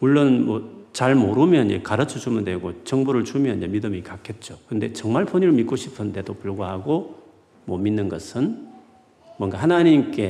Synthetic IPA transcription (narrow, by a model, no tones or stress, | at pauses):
muɭːonmwʌt͡ɕaɭmoɾumjʌnekaɾɯt͡ɕʰʌt͡ɕumɯndwe̞ɡot͡ɕʌŋbuɾɯɭt͡ɕumjʌnd͡ʑemidɯmikakʰet̚t͡ɕ͈okɯnde̞t͡ɕʌŋmaɭpʰoɲiɾɯɭmik͈oɕʰi̥pʰɯnde̞dopuɭɡoɦaɡo | mwʌminːɯnɡʌsʰɯn | mwʌŋɡahanaɲimk͈e̞